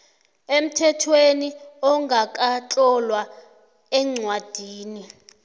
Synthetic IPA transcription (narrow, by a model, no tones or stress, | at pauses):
em̩tʰɛtʰweniɔŋɡʱakʼat͡ɬʼɔlwa | ɛŋ͡ǀwad̥ʱiːni